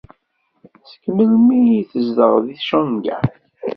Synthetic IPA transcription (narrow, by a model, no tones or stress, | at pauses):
sə̥kməlmiθəzd̪əʁðiθʃænɡæ̰